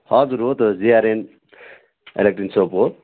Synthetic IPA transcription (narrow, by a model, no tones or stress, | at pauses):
hɔzuɾɦot̪oziaɾen | ḛlek̚ʈɾinsopɦo